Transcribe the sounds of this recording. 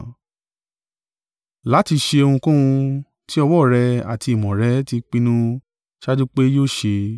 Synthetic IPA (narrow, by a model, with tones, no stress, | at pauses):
la˨˦ti˧ʃe˧o˧hũ˧kũ˦ũ˧ | ti˦ɔ˧wɔ˦˨ɾɛ˧a̰˨ti˧i˨mɔ̃˨ɾɛ˨˦ti˧k͡pĩ˧nũ˦ | ʃa˦d͡ʒu˦k͡pe˦joː˦˨ʃe˧